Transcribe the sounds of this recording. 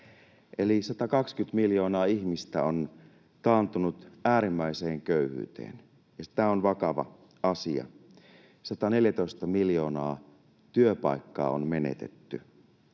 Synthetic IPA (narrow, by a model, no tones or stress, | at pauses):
ʔe̞lisɑt̪ɑkɑkskyt̪miljo̞ːnɑːiçmist̪æon | t̪ɑːnt̪unut̪æːɾimːæise̞ːŋkøyhy̰ːt̪ḛːn | jɑsi̥t̪æonʋɑkɑʋɑ̰ | ɑsiɑ̰ | sɑt̪ɑne̞ljæt̪o̞ist̪ɑmiljo̞ːnɑː | t̪yøpɑ̰jkːɑ̰ːonme̞nḛt̪e̞̰t̪ːy